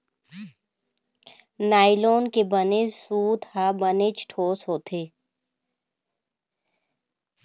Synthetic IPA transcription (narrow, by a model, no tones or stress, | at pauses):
naːɪloːnkebənesuːt̪habənet͡ʃʈʰoːsɦoːt̪ʰeː